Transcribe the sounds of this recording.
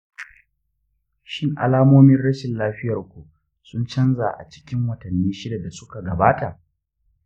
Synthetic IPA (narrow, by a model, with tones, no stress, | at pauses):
ʃɪ˦ŋʔa̰˨laː˦moː˦mɪ˦nɽɐ˦ʃɪ˨nlaː˦ɸɪ˦jɐ˨rkʷu˨ | sʊ˦nt͡ʃɐ˦nza˨ʔa̰˨t͡ʃɪ̥˦kʲɪ˦ŋwɐ˨tɐ˨nːiː˦ʃɪ˦da˨da˨sʊ˦ka˨ɡɐ˨baː˦ta˨ʔ